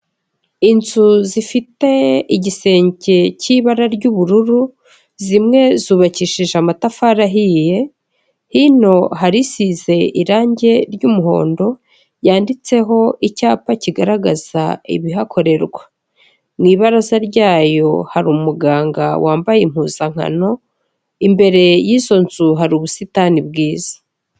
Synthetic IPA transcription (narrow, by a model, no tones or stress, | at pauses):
inzuzifite̞iɟise̞ːɲce̞ciβaɾaɾɟuːβuɾuɾu | zimŋe̞zuβaciʃiʒamatafaɾaɦije̞ | hino̞ɦaɾisiːze̞iɾaːɲɟe̞ɾɟuːmuɦo̞̰ːndo̞ | jaːndit͡se̞ɦo̞icaːpaciɡaɾaɡaz̥a̰ḭβiɦakʰo̞ɾe̞ɾɡwa | mŋiːβaɾazaɾɟaːjo̞̰haɾumumuɡaːŋɡa̰waːmbajem̥huːzaŋ̥ha̰no̞ | imbe̞ɾe̞jiːzo̞nzuɦaɾuβusitanibɡiːz̥ḁ